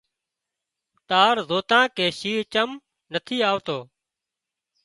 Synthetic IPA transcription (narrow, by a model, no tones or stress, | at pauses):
t̪aːɾzoːt̪ãːkeːʃiːɦt͡ʃəm | nət̪ʰiːaːʋt̪oː